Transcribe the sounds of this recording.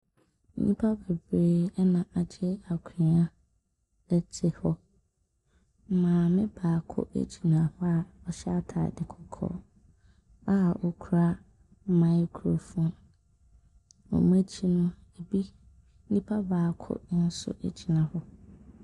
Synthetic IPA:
n̩˦ɲĩ˦pʰa˦bɛ˨bɾeː˦ɛ˦nã˨ʔa˨d͡ʑɛ˦a˨kʰu˨ĩ˨a˦ | dɛ˦tʰɪ˨hɔ˦ | m̩˨mãː˨mɪ̃˦baː˨kʰʊ̰˦ʔḛ˦d͡ʑi˨nã˨hʊ˦a˨ɔ˨ɕɛ˦a˦tʰa̰˨dɪ˨kʰɔ˨kʰɔ̰ː˨ | a˦˨ɔ˨kʰu˨ɾa˦ | mã˦kʰu˨ɾo˨fũ˨˦n | ɔ̰̃˨m˦æ˦t͡ɕʰi˦nʊ̃˦e˨bi˦ | n̩˦ĩ˦pʰa˦baː˨kʰʊ̰˦n̩˦sʊ̰˦ʔḛ˦d͡ʑi˨nã˨hɔ˦

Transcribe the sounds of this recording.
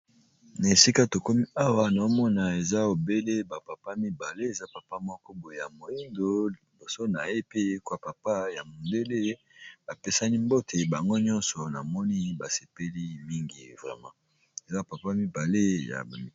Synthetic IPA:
na˨e˨si˦ka˦to˨ko˦mi˦a˦wa˦na˨o˦mɔ˦na˨e˨za˦o˨be˦le˦ba˨pa˨pa˦mi˦ba˨le˦e˨za˦pa˨pa˦mɔ˦kɔ˦bo˨e˨ja˨mo˨ji˦ndo˨ | bo˨so˦na˨je˦pe˦e˦kwa˨pa˨pa˦ja˨mo˨nde˦le˦ | ba˨pe˦sa˦ni˦mbo˦tʰe˨ba˨ŋɡo˦ɲɔ̃˦nsɔ˨na̰˨mɔ˦ni˦ba˨se˨pe˦li˦mi˦ŋɡḭ˨vʁɛ̰˨mã̰˦ | e˨za˦pa˨pa˦mi˦ba˨le˦ja̰˨

